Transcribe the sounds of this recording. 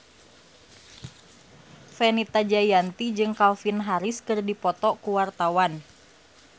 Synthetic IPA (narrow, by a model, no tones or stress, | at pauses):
fɛnit̪ad͡ʒajant̪id͡ʒɨŋkalfinɦaɾiskɨrdipɔt̪ɔkuwart̪awan